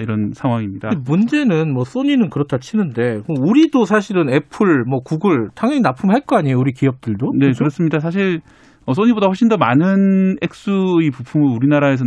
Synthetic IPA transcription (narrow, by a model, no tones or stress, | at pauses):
iɾʌnsʰaŋɦwaŋimɲidamund͡ʑe̞nɯnmwʌs͈oɲinɯnkɯɾʌtʰat͡ɕʰinɯnde̞mouɾidosʰaɕ̬ʰiɾɯne̞pʰɯɭmwʌkuɡɯɭtʰaŋʌŋinapʰumɦaɭk͈oaɲijouɾikiʌp̚t͈ɯɭdone̞kɯɾʌs͈ɯmɲidas̬ʰaɕ̬ʰiɭ | ʌs͈oɲibodaɸwʌɭɕ͈indʌmanɯne̞k̚s͈uipupʰumɯɾuɾinaɾae̞s̬ʰʌ